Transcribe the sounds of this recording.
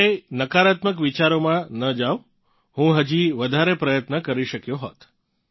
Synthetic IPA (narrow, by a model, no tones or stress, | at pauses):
enəkaɾat̪məkʋit͡ʃaɾomãnəd͡ʒaʋ | hũɦəd͡ʒiʋəd̪ʱaɾepɾəjət̪nəkəɾiʃəkjoɦot̪